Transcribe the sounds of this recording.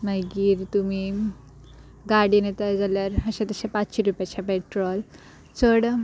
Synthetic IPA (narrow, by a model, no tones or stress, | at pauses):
maɡiːɾt̪umi | ɡaɽinet̪ad͡zaljaɾəɕẽt̪əɕepat͡sɕiɾupjat͡ɕʰapeʈɾɔl | t͡səɽ